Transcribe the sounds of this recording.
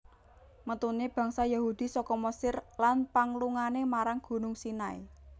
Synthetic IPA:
mət̪uneb̥ä̤ŋsajahud̪̥i̤sɔkɔməsɪrlanpaŋluŋanemaɾaŋɡ̥ṳnʊŋsinaḛ

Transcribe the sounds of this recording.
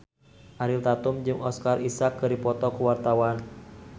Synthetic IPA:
ʔaɾɪlt̪at̪ʊmd͡ʒɨŋʔɔskarisakːɨɾipɔt̪ɔkəwart̪awan

